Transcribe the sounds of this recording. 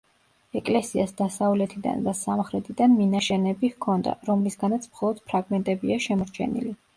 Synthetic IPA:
ɛkʼlɛsiasd̪asavlɛt̪ʰid̪a̰nd̪asamχɾɛt̪ʰid̪anminaʃɛnɛbihkʰɔnd̪a̰ɾɔmlisɡanat̪sʰmχɔlˠɔd̪̥pʰɾaɡmɛnt̪ʼɛbiaʃɛmɔɾt͡ʃʰɛ̰nḭli

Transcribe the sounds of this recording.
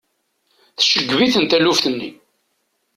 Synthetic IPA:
θʃəɡːviθənt̪ælufθənːḭ

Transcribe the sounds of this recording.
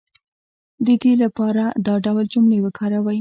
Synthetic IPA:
d̪əd̪elapɑɾad̪ɑɖawld͡ʒʊmlewəkʰɑɾawaj

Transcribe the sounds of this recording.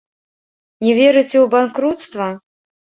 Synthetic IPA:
nʲɛvʲɛɾɨt͡sʲɛwbankɾut̪st̪vɐ

